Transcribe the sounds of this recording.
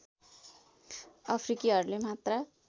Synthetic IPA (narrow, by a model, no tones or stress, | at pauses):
ʌpʰrikiɦʌɾulemat̪rʌ